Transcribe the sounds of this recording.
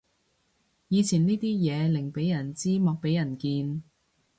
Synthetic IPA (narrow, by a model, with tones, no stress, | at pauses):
jiː˨˧t͡sʰiː˨˩niː˥t̪iː˥jɛː˨˧lɪ˨˩ŋpe˨˥jɐ˨˩nt͡siː˥mɔː˧k̚pe˨˥jɐ˨˩nkiː˧n